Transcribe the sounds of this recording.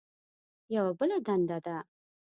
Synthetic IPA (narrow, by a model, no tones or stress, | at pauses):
jawabəlad̪and̪ad̪a